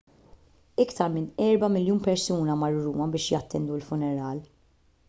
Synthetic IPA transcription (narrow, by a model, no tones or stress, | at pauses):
ɪkt̪ɐɾmɪnɛɾbɐmɪljuːnpɛɾsuːnɐmɐɾːuːmɐbɪːʃjɐt̪ːɛnd̪uɪlfʊnɛɾɐːl